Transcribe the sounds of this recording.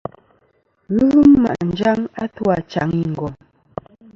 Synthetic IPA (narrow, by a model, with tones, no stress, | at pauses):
ɣɣu˦mːa̰˨ʔn̩˨d͡ʒa˦ŋa˦twa˨t͡ʃa̰˨˦ŋi˦ŋ̩˨ɡɔ˨m